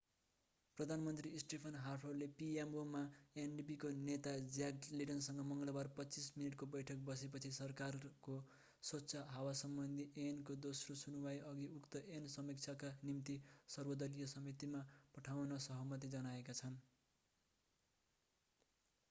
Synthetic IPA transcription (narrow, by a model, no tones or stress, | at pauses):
prʌd̪ʱanmʌnt̪risʈepʰʌnɦarpʰorlepiemomaenɖipikonet̪ad͡zjaɡliʈʌnsʌŋɡʌmʌŋɡʌlbarpʌt͡sisminiʈkobʌjʈʰʌk̚bʌs̬ep̬ʌt͡sʰisʌrkarko | sʌtːsʰʌɦawasʌmbʌnd̪ʱienkod̪osrosunuwajʔʌɡiukt̪ʌʔensʌmik̚t͡sʰakanimt̪isʌrbʌd̪ʌɾijʌsʌmit̪imapʌʈʰawnʌsʌɦʌmʌt̪̬id͡zʌnaekat͡sʰʌn